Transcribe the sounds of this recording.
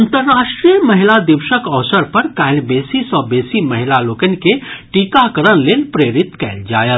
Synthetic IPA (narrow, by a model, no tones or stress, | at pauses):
ənt̪əɾːaʃʈɾijəməɦilad̪iwʃəkəʋsəɾpəɾkailbesisɔbesiməɦilalokənikeʈikakəɾənlelpɾeɾit̪kɛɪld͡ʒa̰jət̪